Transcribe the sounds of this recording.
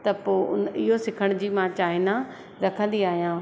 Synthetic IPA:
t̪ɐpoːʊ̰nɪɦosɪkʰəɽ̃d͡ʑiːmãːt͡ɕaːɦɪna | ɾɐkʰə̃nd̪iaːɦijãː

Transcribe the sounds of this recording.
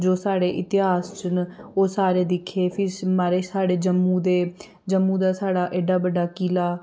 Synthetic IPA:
d͡ʒoːsaːɽeːʔɪt̪ɪɦaːst͡ʃʊnoːsaːɾeːd̪ɪkʰːeːpʰɪɾmaːɾeːsaːɽeːd͡ʒəmːũːd̪eː | d͡ʒəmːuːd̪aːsaːɽaːʔeːɖaːbəɖːaːkiːlaː

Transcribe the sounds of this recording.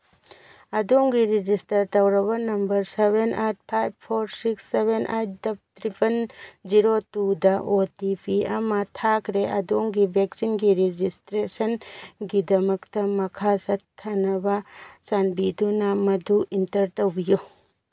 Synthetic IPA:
ɐdoŋɡiɾid͡ʒistɐɾtɐwɾɐbɐnɐmbɐɾsebenʔat̚pʰajb̚pʰoɾsiksːebʱenʔa̰j̚dɐb̚tʰɾipʰɐnd͡ʒiɾotudɐʔotipʰiɐmɐtʰakɾeɐ̰doŋɡibʱeksinɡiɾid͡ʒistɾesɐnɡidɐmɐktɐmɐkʰasɐtʰːɐnɐbɐsanbidunɐmɐduintɐɾtɐwbiju

